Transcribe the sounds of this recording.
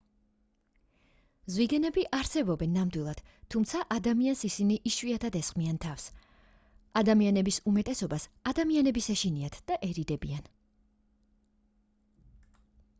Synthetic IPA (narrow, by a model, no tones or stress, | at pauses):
zwiɡɛnɛbiʔaɾsɛbɔbɛnːamd̪wilˠad̪̥t̪ʰːumt̪sʰaʔad̪amiansisiniʔiʃwiat̪ʰad̪ɛsχʼmiant̪ʰafs | ad̪amianɛbisumɛt̪ʼɛsɔbasad̪amianɛbisɛʃiniat̪ʰd̪̥aʔɛɾid̪ɛbian